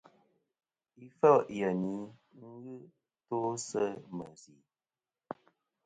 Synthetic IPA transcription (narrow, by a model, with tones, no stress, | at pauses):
i˦fə˦jə˨ni˨˦ŋ̩˦ɣɨ˦ | to˦sə˦mə˨zi˨˦